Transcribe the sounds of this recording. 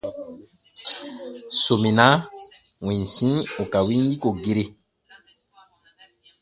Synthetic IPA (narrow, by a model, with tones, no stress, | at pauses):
so˨mĩ˨na˦ | wĩ˨n˨sĩ˦o˨ka˨wi˦ŋ˦ji˦ko˨ɡe˦ɾe˦